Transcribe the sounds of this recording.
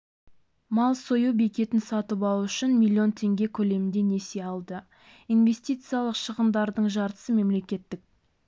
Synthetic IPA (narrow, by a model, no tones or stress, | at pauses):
mɑlˠsojubekʲe̞t̪ɪnsɑt̪əpɑlˠuʏʃɪnmʲilʲːio̞nt̪ʰe̞ŋɡʲe̞kʲʰɵle̞mɪnd̪e̞ne̞se̞ɑlˠd̪ə | inve̞st̪ijt̪sɨjalˠəqʃəʁəmd̪ɑɾd̪əɴʒɑɾt̪ə̥səme̞mle̞kʲe̞t̪ːɪk̚